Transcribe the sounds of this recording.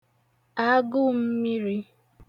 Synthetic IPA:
a˦ɡʊ˦m̩˦mi˦ɾi˦

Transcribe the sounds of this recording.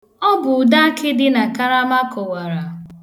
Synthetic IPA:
ɔ˦bʊ˨ʊ˨da˦kɪ˦dɪ˦na˨ka˦ɾa˦ma˦kɔ˨wa˨ɾa˨

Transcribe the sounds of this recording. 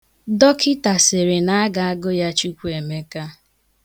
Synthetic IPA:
dɔ˦kʰɪ˦ta˨sɪ˨ɾɪ˨na˦a˦ɡa˨a˦ɡʊ˦ja˦t͡ʃu˦kʷu˦e˨me˦ka˦

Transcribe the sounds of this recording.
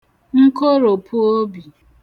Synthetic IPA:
ŋ̩˦ko˦ɾo˨pʰu˦o˦bi˨

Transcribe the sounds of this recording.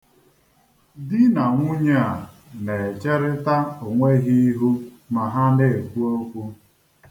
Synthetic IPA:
dɪ˦na˨ŋʷu˦ɲe˦a˨ | ne˨t͡ʃe˦ɾɪ˦ta˦o˨ŋʷe˦ɣi˦ɦu˦ | ma˨ɦa˦ne˦e˨kʷu˦o˦kʷu˦

